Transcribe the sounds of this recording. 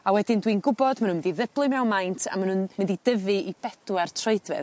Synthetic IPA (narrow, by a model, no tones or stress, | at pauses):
awɛdɪndwinɡʊbɔdmanunmɪdiðəblˠɨmɛwnmajntʰa̰manunmɪndidəvɨʔib̥ɛd̥uartʰroɨdvɛ̰ð